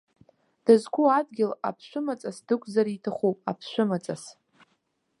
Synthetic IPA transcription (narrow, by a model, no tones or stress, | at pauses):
d̥azkʷuadɡʲɪla̰pʰʃʷʊmat͡sʼasdɨkʷʰʼzaɾitʰaχʷopʼapʰʃᶣʷʊmat͡sʼas